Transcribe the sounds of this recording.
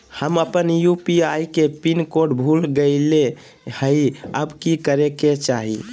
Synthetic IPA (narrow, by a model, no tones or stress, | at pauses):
həməpənjupiaikepinkoɖbʱulɡəɪle | həiəbkikəɾeket͡ʃaɦḭ